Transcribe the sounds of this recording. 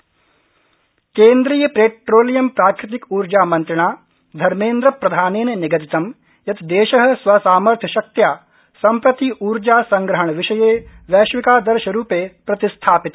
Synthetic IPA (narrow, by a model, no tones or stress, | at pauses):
keːnd̪ɾiːjɐpɾeːʈɾoːlijɐmpɾaːkɾɪt̪̬ikuːɾd͡ʒaːmɐ̃nt̪ɾɪɳaː | d̪ʱɐɾmẽːnd̪ɾɐpɾɐd̪ʱaːneːnnɪɡɐt̪it̪ɐm | jɐt̪d̪eːʃɐɦɐsʋɐsaːmɐɾt̪ʰɐʃɐk̚t̪jaː | sɐ̃mpɾɐt̪iuːɾd͡ʒaːsɐ̃ŋɡɾɐɦɐɳʋɪʃɐjeː | ʋɛːʃʋɪkaːd̪ɐɾʃɐɾuːpeːpɾɐt̪ɪst̪ʰaːpɪt̪